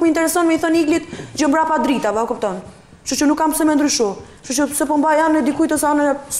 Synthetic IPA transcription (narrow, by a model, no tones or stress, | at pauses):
kməint̪ɛɾɛsɔnmɛiθɔniɡlit̪d͡ʑəmbɾapad̪ɾit̪avakup̚t̪ɔn | ʃut͡ʃənukːamsɛmɛnd̪ɾyʃu | ʃut͡ʃəsɛpɔmbajanɛd̪ikujt̪ɔsaan